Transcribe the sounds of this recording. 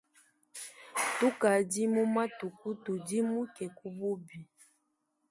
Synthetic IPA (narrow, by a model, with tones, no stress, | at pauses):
tu˦ka˨di˦mu˦ma˦tu˨ku˦tu˨di˦mu˦kɛ˨ku˦bu˦bi˨